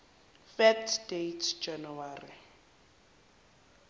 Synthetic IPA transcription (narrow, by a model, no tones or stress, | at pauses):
fɛtʰdetʰd͡ʒanuwaːri